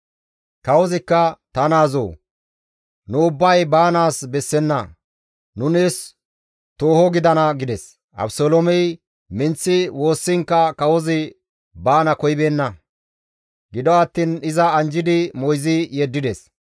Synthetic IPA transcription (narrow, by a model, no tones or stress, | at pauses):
kɐwɔzɪkːɐt̪ɐnaːzo̰ː | nʊʊbːɐjbaːnaːsbɛsːɛnːɐ | nʊnes | t̪oːhɔɡɪd̪ɐnɐɡɪd̪ɛs | ʔɐ̰bsoːlomɛj | mɪnt͡sːɪwo̞ːsːɪŋkːɐkɐwɔzɪ | baːnɐkɔjbeːnːɐ | ɡɪd̪ɔɐt̪ːiːnɪzɐɐnd͡ʒɪd̪ɪmɔjzɪjɛd̪ːɪd̪ɛs